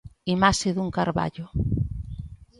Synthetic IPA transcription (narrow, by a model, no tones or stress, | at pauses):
imasɪðuŋkaɾβa̰ʎʊ